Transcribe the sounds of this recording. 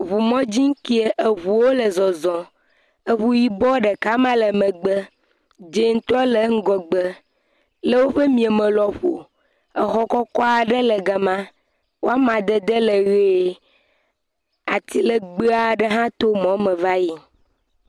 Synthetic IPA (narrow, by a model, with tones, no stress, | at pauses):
βu˨mɔ̃˦d͡ʑi˦ŋ̩˦ki˦e˨ʔe˨βu˨wo˦lə˨zɔ˨zɔ̃˨ | ə˨βu˨ji˨bɔ˦ɖə˨ka˦mã˦lə˨mə̃˨ɡ͡bə˦ | d͡ʒe˨ŋ̩˦t̪ɔ˦lə˨˦ŋ̩˦ɡɔ˨ɡ͡bə˦ | lə˦wo˦ɸə˦mĩ˨e˨mə̃˨lɔ˨ɸo˨ | ə˨xɔ˦kɔ˦kɔ˦a˨ɖə˦lə˨ɡa˨mã˦ | wo˦a˦mã˨d̪ə˦d̪ə˦lə˨ɣe˦˨˦ | a˨t̪i˦lə˨ɡ͡bə˦a˨ɖə˦ɦã˦t̪o˦mɔ̃˨˦mə̃˨va˦ji˦